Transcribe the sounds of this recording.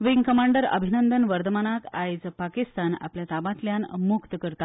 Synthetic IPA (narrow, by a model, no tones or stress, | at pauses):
ʋiŋɡkəmaɳɖəɾə̰bʱinənd̪ənʋəɾd̪əmanakajd͡zpakist̪ana̰pljat̪abat̪ljanmukt̪əkəɾt̪a